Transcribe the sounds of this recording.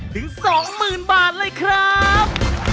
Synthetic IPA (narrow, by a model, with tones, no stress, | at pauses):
t̪ʰɯ˩˦ŋsɔː˩˦ŋmɯː˨˩nbaː˨˩t̪̚lɤː˧˥jkʰɾa˦˥p̚